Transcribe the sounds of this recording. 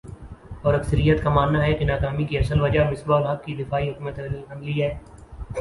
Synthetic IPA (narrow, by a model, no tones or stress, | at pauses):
ɔːɾɐksəɾijət̪kamaːnːaɦɛkenaːkaːmikiɐsəlʋɐd͡ʒamɪsbaːlɦɐk̚kid̪ɪfaːiɦʊkːmət̪ɐ̃nliɦɛː